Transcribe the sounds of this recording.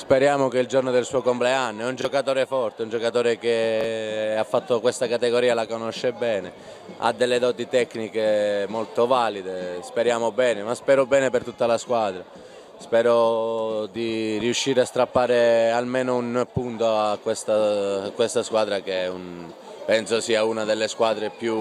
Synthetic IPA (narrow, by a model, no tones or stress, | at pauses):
speɾjaːmok̟eild͡ʒornod̪elsuːokompleanːɛund͡ʒokat̪oːɾefɔrt̪eund͡ʒokat̪oːɾeke | afːat̪ːokwest̪akat̪eɡoɾiːalakonoʃːebɛːne | a̰d̪ːelːed̪ɔːt̪it̪ɛkːnikemolt̪ovaːlid̪espeɾjaːmobɛːnemaspɛːɾobɛːnepert̪ut̪ːalaskwaːd̪ɾa | spɛːɾo | d̪iriuʃːiːɾeast̪ɾapːaːɾealmeːnounpːunt̪oakːwest̪akːwest̪askwaːd̪ɾakeun | pɛnsosiːaunad̪elːeskwaːd̪ɾepju